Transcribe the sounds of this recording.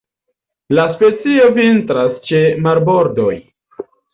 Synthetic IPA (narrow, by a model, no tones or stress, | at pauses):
laspe̞t͡sio̞vintɾast͡ʃe̞maɾbo̞ɾdo̞j